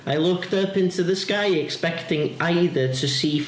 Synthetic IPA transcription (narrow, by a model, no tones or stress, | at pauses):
aɪlˠʊktʌpɪ̃ntʉðəskaɪɪkspɛktɪ̃ŋʔaɪðə˞tʰəsiː